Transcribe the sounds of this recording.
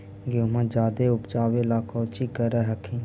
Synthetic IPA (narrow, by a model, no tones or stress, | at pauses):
ɡomãd͡ʒaːd̪eʊpd͡ʒaːʋelaːkʰɔːt͡ʃikəɾɛɦɐkʰĩn